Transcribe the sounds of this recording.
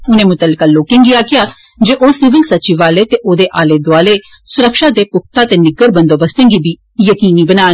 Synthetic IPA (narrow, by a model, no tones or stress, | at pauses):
ʊnẽːmʊt̪əlːɪkaːloːkẽŋɡiaːkɪjaːd͡ʒeːʔoːsɪʋəŋɡsətːt͡ʃiːʋaːleːt̪eʔoːd̪eːʔaːleːd̪oaːleː | sʊɾəkʃaːd̪eːpʊk̚ʰt̪aːt̪eːnɪɡəɾbə̃nd̪oːbəst̪ẽːŋɡiːbʱiː | jəkiːniːbənaː